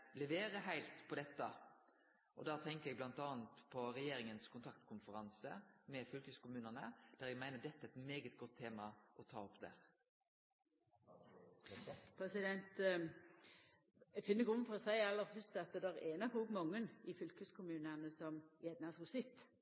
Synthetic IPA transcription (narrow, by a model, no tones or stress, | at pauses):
lɛʋeːɾəɦæɪlt̪pʰɔd̪ɛt̪ːə | ʔɔd̪ɑːt̪ʰɛŋkəɾɛɡ̚blɑnt̪ɑːənt̪pʰɔɾɛjeːɾɪŋənskʰʊnt̪ʰɑkt̪kʰʊnfəɾɑnsə̰mɛfʏlkʉskʊmʉːnənəd̪̥æɾɛɡmæɪnəɖ̪ɛt̪ːæɛt̪meːɡət̪̚ɡɔt̪ʰːeːmɑʔɔt̪ʰɑːɔpd̪æ̰ɾ | pʰɾɛsɪd̪ɛnt̪ | fɪnːəɡʊmfɔʁɔsæɪɛlːəɾhʉst̪ɑt̪əd̪ɛɾenɑhuːɡmɑŋːənɪfʏlkʉskʰʊmʉːnənəsɔmeːd̪nɑsʁʊsɪt̪ː